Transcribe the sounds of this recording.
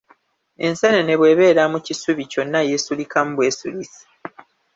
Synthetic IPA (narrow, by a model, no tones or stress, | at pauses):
e̞nsenene̞βwe̞ːβe̞ːɾamucisuβico̞nːajesulikam̩bwe̞ːsulisi̥